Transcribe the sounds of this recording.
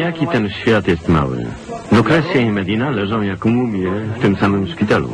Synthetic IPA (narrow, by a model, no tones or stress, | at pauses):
jakʲit̪ɛnɕfʲjat̪jɛst̪ma̰wɘ̰d̪ɔkɾɛsʲjaimɛd̪ʲjinalɛʐɔ̃w̃jakmumʲjɛft̪ɘmsamɘmʂpʲit̪alṵ